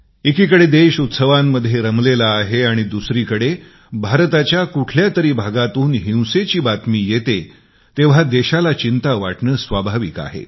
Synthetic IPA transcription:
ekiːkəɽed̪eɕut̪səʋamːəd̪ʱjeɾəmlelaːɦeaɽ̃id̪usɾiːkəɽe | bʱaɾt̪at͡ɕjakuʈʰljat̪əɾiːbʱaɡat̪uːnɦĩw̃set͡ɕiːbat̪miːjet̪e | t̪eʋ̤ad̪eɕalat͡ɕint̪aʋaʈɳəːsʋabʱaʋika̰ɦḛ

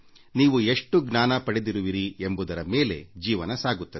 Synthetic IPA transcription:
niːʋueʂʈuɡnaːnɐpɐɽed̪iɾuʋiɾiembud̪ɐɾɐme̞ːle̞̰d͡ʒiːʋɐnɐsaːɡut̪ːɐd̪e

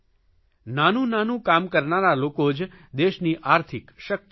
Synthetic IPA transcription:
nanũnanũkamkəɾnaɾalokod͡ʒ | d̪eʃniʔaːɾt̪ʰɪkʃək̚t̪

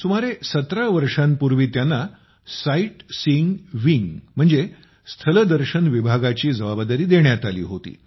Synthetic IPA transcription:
sumaɾesət̪ɾaʋəɾʂãnpuɾʋiːt̪janːa | saiʈsiŋɡʋiŋɡm̤əɳd͡ze | st̪ʰələd̪əɾɕənʋibʱaɡat͡ɕiːd͡zəbabd̪aɾiːd̪eɳjat̪alḭːɦot̪ḭː

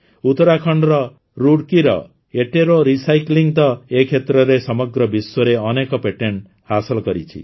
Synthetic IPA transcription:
ut̪ɔɾakʰɔɳɖɾɔ | ɾuɽkiɾɔ̰ | eʈeɾoɾisajkliŋt̪ɔekʰet̪ɾɔɾesɔmɔɡɾɔbiswɔɾeɔnekɔpeʈeɳʈ | hasɔlɔkɔɾit͡ʃʰḭ

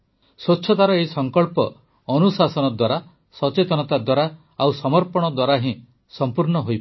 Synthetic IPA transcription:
sotːt͡ʃʰːɔt̪aɾɔeisɔŋkɔɭpɔː | nusasɔnɔd̪waɾa | sɔt͡ʃet̪ɔnɔt̪ad̪waɾa | awsɔmɔɾpɔɽ̃ɔd̪waɾaɦĩ | sɔmpuɾnɔɦojp

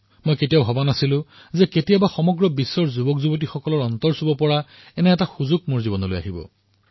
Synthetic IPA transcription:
mojketiaʊɦɔbanasilʊ̃ | zɛketijabaxɔmɔɡɹɔbisːɔɹzubɔkzubɔt̬ixɔkɔlɔɹɔnt̪ɔɹsubɔpɔɹa | ɛnɛɛtaxuzuk̚moɹzibɔnɔlo̰ja̰ɦibɔ̰

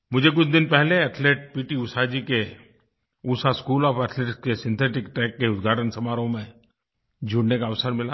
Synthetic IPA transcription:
mʊd͡ʒʱek̬ʊt͡ʃʰd̪ɪnpɛɦleɛʈʰleːʈ̚piːʈiʊsad͡ʒike | uːsaskuːlɔːfəʈʰleːʈskesɪ̃nt̪ʰeːʈɪkʈɛːkːeʊd̪ɡʱaːʈʰənsɐmaːɾõmẽ | d͡ʒʱʊɽnekaɐʋsəɾmɪla

